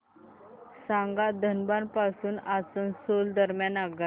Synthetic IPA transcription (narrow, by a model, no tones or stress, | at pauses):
sãŋɡad̪ʱənbanpasuːnasənsold̪əɾmjanaɡa